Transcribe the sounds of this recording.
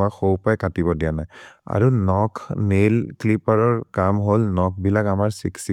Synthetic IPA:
axowpajkatibɔdijanaja̰ɹunɔkʰmelklipaɹɔɹkamɦolnɔk̚ʰbilakamaɹsiksi

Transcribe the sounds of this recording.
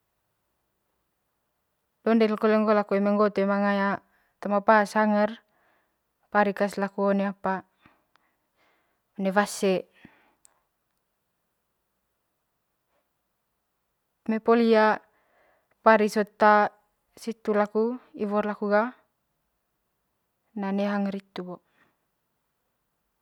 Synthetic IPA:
dɔndɛlkɔlɛŋɡɔlakuemɛŋɡɔt̪emaŋaja | t̪amapasaŋɛr | paɾikaslakuoneapa | ɔnɛvasɛ | mepolia | paɾisot̪a | sit̪ulakuiβɔrlakuɡa | naneɦaŋɾit̪ubo

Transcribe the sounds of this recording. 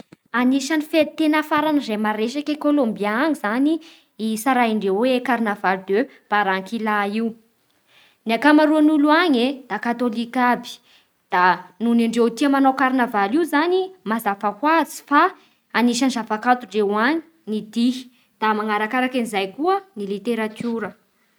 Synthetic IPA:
aniʃanifet̪enafaɾanizemaɾeʃakekolombiaaŋizani | isaɾaiɳɖ͡ʐewwekaɾnavalud̪ø | b̥aɾaŋkilaiw | nakamaɾuanuluaɲed̪̥akat̪olikabi̥ | d̪̥anuniɳɖ͡ʐewt̪iəmanawkaɾinavaliuzanimazafahwazi̥fa | aniʃanzafakat̪uɳɖ͡ʐewaɲi̥ | nid̪iɦi̥ | d̪̥amaŋaɾakaɾakanizajkuənilit̪eɾat̪uɾə

